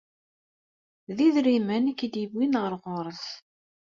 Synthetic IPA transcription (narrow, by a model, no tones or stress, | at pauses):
ðiðɾimənækːid̪ibːinʁəɾʁʊɾˤəθ